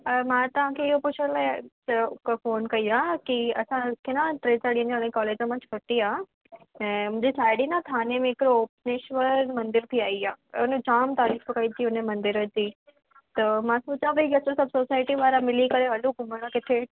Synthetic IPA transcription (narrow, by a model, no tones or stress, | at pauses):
ɐmãt̪ɐʋ̤ãkʰeɪɦopʊt͡ɕʰəɽ̃la | ɐkfoːnkɐiakiɐsãkʰenãʈɾeːsaɽiə̃naɽẽkɔːleːd͡ʑə̃mɐ̃t͡ɕʰʋʰɐʈiaː | ɛ̃ːmʊ̃d͡ʑisaːɪɽinat̪ʰaːnemẽɪkɾooːpneʃʋəɾmɐ̃nd̪ɪɾt̪ʰiaːiaːʊnə̃d͡ʑaːmt̪aːɾiːfbɐkait̪ʰiʊnəmɐ̃nd̪ɪɾəd͡ʑiː | t̪ɐmãsoːt͡ɕaʋɐiɡɐsəsɐbsoːsaːɪʈiʋaːɾamɪlikɐɾeɐluɡʱʊməɽ̃ə̃kɪt̪ʰe